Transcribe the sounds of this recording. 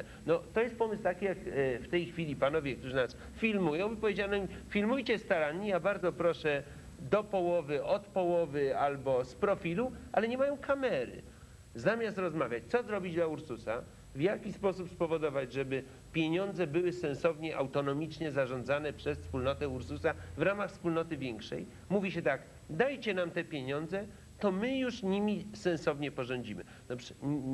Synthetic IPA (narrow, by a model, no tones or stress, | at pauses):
nɔt̪ɔjɛst̪̚pɔmɘst̪akʲijakft̪ɛjxfʲilʲipanɔvʲjɛk̚t̪uʐɘnas | fʲilmujɔ̃w̃ipɔvʲjed͡ʑanɔmʲifʲilmujt͡ɕɛst̪aɾanɲijabaɾd̪ɔpɾɔʂɛ | d̪ɔpɔwɔvɘʔɔt̪pɔwɔvɘalbɔspɾɔfʲiluʔalɛɲɛmajɔ̃w̃kʰamɛɾɘ̰ | zamʲjast̪ɾɔzmavʲjat͡ɕt̪sɔzɾɔbʲid͡ʑd̪lauɾsusa̰ | vjakʲispɔsupspɔvɔd̪ɔvad͡ʑʐɛbɘ | pʲjeɲɔnd̪zɛbɘwɘsɛ̃ñsɔvɲɛʔawt̪ɔnɔmʲit͡ʂɲɛzaʐɔ̃nd̪zanɛpʂɛsfspulnɔt̪ɛuɾsusavɾamaxfspulnɔt̪ɘvʲjɛŋkʂɛ̰j | muvʲiɕɛt̪ak | d̪ajt͡ɕɛnamt̪ɛpʲjeɲɔnd̪zɛ | t̪ɔmɘjuʂɲimʲisɛ̃ñsɔvɲɛpɔʐɔ̃ɲd͡ʑimɘ̰ | d̪ɔpʂɛ̥